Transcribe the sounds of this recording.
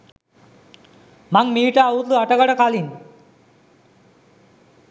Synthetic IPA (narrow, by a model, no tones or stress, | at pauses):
maŋmiːʈaaut̪luaʈəɡəɽəkalin